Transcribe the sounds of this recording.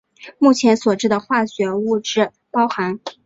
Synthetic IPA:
mu˥˩t͡ɕʰjɛ˧˥nswɔ˨˩ʈ͡ʂɻ̩˥˩d̪ə˩xwa˥˩ɕɥɛ˧˥u˥˧ʈ͡ʂɻ̩˥˩ | pɑ˥ʊxa˧˥n

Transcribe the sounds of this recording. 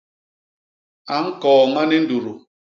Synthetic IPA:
a˨ŋ̩˦kɔː˨ŋa˦nɪ˦n̩˦du˨ɾu˨

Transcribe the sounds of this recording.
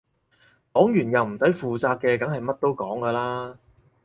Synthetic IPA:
kɔː˨˥ŋjyː˨˩njɐ˨wm̩˨˩sɐ˨˥jfuː˨t͡saː˧kːɛː˧kɐ˨˥ŋɦɐ˨jmɐ˥t̚t̪o˥wkɔː˨˥ŋkɐː˧laː˥

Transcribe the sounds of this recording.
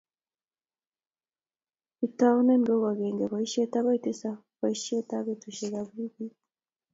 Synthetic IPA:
ita˦o˦ne˦mɡo˦ɣwaɣeːŋɡeβai˦ʃe˦ta˦βa˦iti˦sa˦ | βa˨iʃe˦ta˦βetuʃeɣaβi˦βi

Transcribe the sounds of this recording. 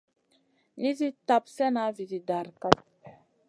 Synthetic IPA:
li˦zi˦ta˨psɛ˦na˨˦vi˨zi˨da˨ɾka˦t̚

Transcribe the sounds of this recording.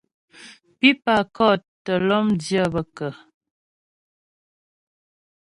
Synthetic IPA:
pi˦pa˨kɔ˦˨ttə˨lɔ˦mdjə˦˨bə˨kə˨

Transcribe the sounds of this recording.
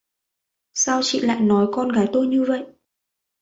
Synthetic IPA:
saː˧wt͡ɕḭ˧˨la̰ː˧˨jnɔ˨˦jkɔ˧nɣaː˨˦jt̪o˧jɲɨ˧və̰˧˨jʔ

